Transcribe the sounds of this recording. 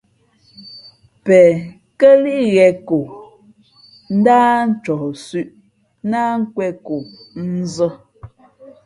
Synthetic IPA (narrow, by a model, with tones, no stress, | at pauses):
pɛ˨ | kə˦li˦ʔɣɛ˨ko˨ | n̩˦daː˦n̩˦t͡ʃɔ˨sʉ˦ʔ | na˦ŋ̩˦kwɛ˦ko˨n̩˦zə˦